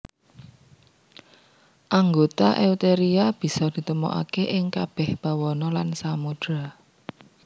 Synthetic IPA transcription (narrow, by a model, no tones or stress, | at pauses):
ʔaŋɡot̪aʔewt̪eɾiab̥i̤sɔd̪̥i̤t̪əmɔ̰ʔa̰keʔɪŋkab̥ɛ̤hb̥ä̤wɔnɔlansamud̥ɾa